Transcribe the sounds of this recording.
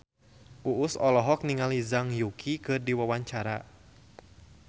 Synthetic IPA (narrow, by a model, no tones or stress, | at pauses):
ʔuʔʊsɔlɔɦɔk̚niŋalizaŋjukʰikɨrdiwawaɲt͡ʃaɾa̰